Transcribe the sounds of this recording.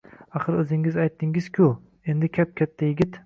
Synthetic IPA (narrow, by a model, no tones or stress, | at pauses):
ɑχɨɾɪzɪŋɪzajt̪ʰːɪŋɪz̥kʲʰu | end̪ɪkʲʰɛp̚kʲʰɛt̪ʰːajɪɡʲɪt̪